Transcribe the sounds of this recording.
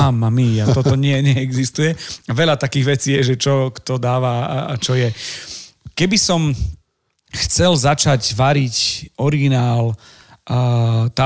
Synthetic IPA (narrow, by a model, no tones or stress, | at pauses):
amːamiat̪ɔt̪ɔɲɪɛɲɛɛɡzist̪ujɛaʋɛlat̪akiːɣʋɛt͡siːjɛʒɛt͡ʃɔkt̪ɔd̪aːʋa̰t͡ʃɔjɛ | kɛbisɔm | xt͡sɛlzat͡ʃacʋaɾicɔɾiɡinaːl | t̪a